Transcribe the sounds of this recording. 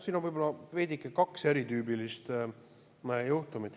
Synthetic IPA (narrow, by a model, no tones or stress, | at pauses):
siːnonvɯjbo̞lɑve̞d̪ʲikːˑekɑkseɾit̪yːbilist̪ː | juht̪umit̪